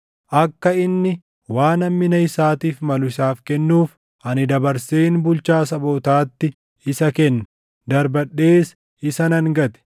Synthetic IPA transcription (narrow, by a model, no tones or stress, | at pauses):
ʔɐkːɐɪnːɪ | waːnɐmːɪnɐɪsaːt̪iːfmɐlʊɪsaːfkɛnːuːf | ʔɐnɪd̪ɐbɐɾseːnbʊlt͡ʃaːsɐboːt̪aːt̪ːɪ | ɪsɐkɛnːɐ̥ | d̪ɐɾbɐɗːe̞ːs | ɪsɐnɐŋɡɐt̪ɛ̥